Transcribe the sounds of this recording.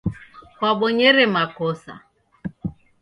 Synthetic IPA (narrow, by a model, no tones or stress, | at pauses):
kwaɓɔɲɛɾɛmakɔsa̰